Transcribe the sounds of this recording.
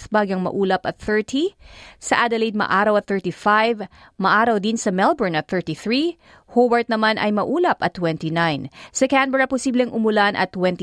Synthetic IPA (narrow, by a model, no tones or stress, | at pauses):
θbaːɡɐŋmɐ̰ʔuːlɐpɐt̪̚θɛɹt̪ʰisɐʔad̪ɐlejd̪̚mɐ̰ʔaːɾɐwɐt̪θɛɹt̪ifajv | mɐʔaːɾɐwd̪insɐmɛlbɛɹnɐt̪̚θɛɹt̪iθɹi | howɐɹt̪̚nɐmanʔɐ̰jmɐʔuːlɐpɐt̪ːwɛnt̪inajnsɐkanbɛɹɐpʊsiːblɛŋʔʊmʊlanʔɐ̰t̪ːwɛnt̪